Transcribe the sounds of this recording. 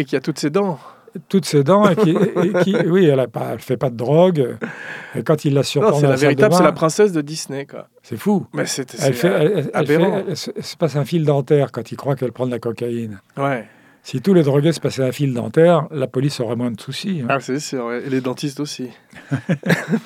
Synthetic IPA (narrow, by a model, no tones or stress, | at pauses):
ekʲiat̪ut̪sed̪ɑ̃ | t̪ut̪sed̪ɑ̃ekiekiwiɛlapa̰ɛlfɛpad̪əd̪ʁɔɡøekɑ̃t̪ilːasyʁɑ̃d̪ɛlaveɛid̪əabmsɛlapχɛ̃sɛs̬d̪əd̪isnekwa̰ | sɛfumɛsɛt̪ɛlfɛɛlɛlfʁɛɛɛlsəɛlsə̥pasɛ̃fild̪ɑ̃t̪ɛʁkɑ̃t̪ilkχwakɛlpχɑ̃d̪lakɔkainwɛ | sit̪uled̪ʁɔɡesə̥pasɛɛ̃fild̪ɑ̰̃t̪ɛʁlapɔlisɔʁɛmwɛ̃d̪əsusiɛ̃sesyʁwɛelɛd̪ɑ̃t̪ist̪osi